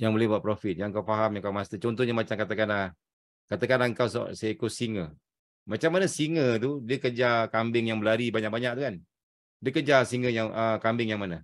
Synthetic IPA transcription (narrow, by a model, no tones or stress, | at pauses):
jaŋbolɛbaʔpɾofɪt̪̚jaaŋkawfaɦamjaŋkawmast̪ət͡ʃɔnt̪ɔhɲəmat͡ʃamkat̪akana | kat̪akanaŋkawsɔ̰ʔsaikusiŋə | mat͡ʃamːanasiŋət̪̬udiəkəd͡ʒakambɪŋjaŋbəlaɾibaɲak̚baɲak̚t̪ukan | diəkəd͡ʒasiŋəjaŋəkambɪŋjaŋmana